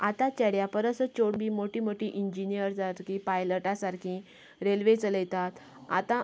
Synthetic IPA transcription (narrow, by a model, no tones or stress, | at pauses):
at̪at͡ɕɛɽjapəɾəsət͡ɕoɽbimoʈimoʈiʔiɲd͡ʑinijəɾd͡zaɾkipajləʈasaɾkʰĩ | ɾelʋet͡sələjt̪at̪ | a̰t̪ã